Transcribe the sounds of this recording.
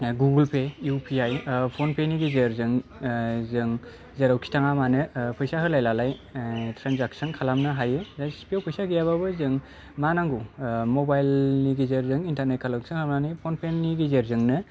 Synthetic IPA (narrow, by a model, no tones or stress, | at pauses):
ɡuɡɯlpʰejupʰiajpʰonpʰeniɡizeɾzɯŋ | zɯŋ | zeɾawkʰi̥tʰaŋamanɯpʰɯjsaɦɯlajlalajtɾanzak̚sɯnkʰalamnɯɦajɯzajsi̥piawpʰɯjsaɡijaβabɯzɯŋ | manaŋɡumobajlniɡizeɾzɯŋintaɾnet̚kʰalawkʰisʰɯŋkʰmnanajpʰonpʰenːiɡizeɾzɯŋnɯ